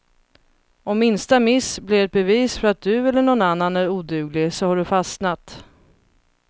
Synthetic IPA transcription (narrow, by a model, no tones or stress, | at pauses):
ɔmːɪnst̪amɪsblɪɾɛt̪̚bɛviːsfœɾat̪̚d̪ɵɛlːəɳɔnanːanæɾuːd̪ʉːɡlɪsɔhaɖɵfasnat̪